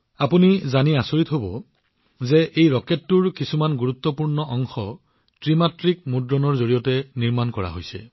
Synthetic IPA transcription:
apunizaniasoɹitɦobɔ | zɛʔejɹɔketːuɹkisumanɡuɹut̪ːɔpuɹnɔʔɔŋxɔ | tɹimatɹik̚mudɹɔnɔɹzoɹijɔtɛniɹmankɔɹa̰ɦojsɛ̰

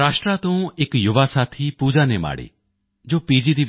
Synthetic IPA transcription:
aːsʈɾat̪õũekjuʋasat̪ʰipuːd͡ʒanema̰ːɽḭ | d͡ʒoːpid͡ʒid̪i

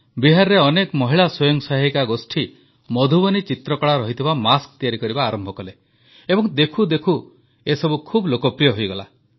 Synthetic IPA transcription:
biɦaɾɾeɔnekmɔɦiɭasɔjɔŋsaɦikaɡosʈʰi | mɔd̪ʱubɔnit͡ʃit̪ɾɔkɔɭaɾɔɦit̪ʰibamaskt̪ijaɾikɔɾibaːɾɔmbʱɔkɔle | ebɔŋd̪ekʰud̪ekʰu | esɔbukʰublokɔpɾijɔɦojɡɔla

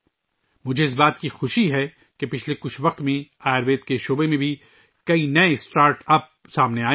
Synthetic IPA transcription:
mʊd͡ʒʱeɪs̬baːt̪kixʊʃiɦɛ | kepɪt͡ʃʰlekʊt͡ʃʰʋɐq̚t̪mẽaːjɾʋeːt̪keʃoːbemẽbʱi | kɐinɐesʈaːɾʈɐp̚ | saːmneaː

